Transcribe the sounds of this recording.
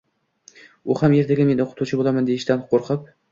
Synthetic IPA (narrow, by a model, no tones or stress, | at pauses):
ʊhamje̞ɾd̪aɡʲame̞nɪoqʰʊt̪ʰut͡ʃʰɪbolˠamand̪e̞jɪʃt̪anqʰoɾqʰɨp̚